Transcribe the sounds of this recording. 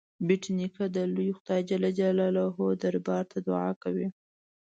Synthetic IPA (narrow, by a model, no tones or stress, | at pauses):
biʈinikad̪əlujxʊd̪ɑjd͡ʒalad͡ʒalalaɦod̪aɾbɑɾt̪ʰad̪ʊʕɑ̰kawi